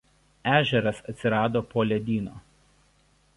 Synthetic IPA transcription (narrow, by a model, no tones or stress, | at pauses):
æːʒʲɛɾɐsɐt̪ʲsʲɪɾɑːd̪oːpoːlʲɛd̪ʲiːno̰ː